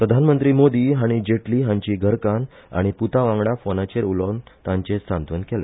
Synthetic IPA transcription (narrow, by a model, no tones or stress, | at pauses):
pɾəd̪ʱanmənt̪ɾiːmod̪iːɦaɽ̃id͡ʑeʈliːɦãɲt͡ɕiːɡʱəɾkan | a̰ɽ̃iput̪aʋãŋɡɽafonat͡ɕeɾulɔnt̪ãɲt͡ɕesãnt̪ʋənkele